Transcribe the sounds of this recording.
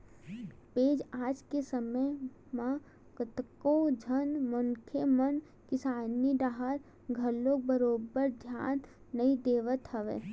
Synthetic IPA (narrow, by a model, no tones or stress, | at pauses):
peːd͡ʒaːd͡ʒkesəmə | mã | kət̪kod͡ʒʱənmʊŋkʰemən | kɪsaːniɖaɦaɾ | ɡʱəlok̚bəɾoːbəɾd̪ʱja̰ːnː | əĩd̪eːʋət̪ɦəʋḛː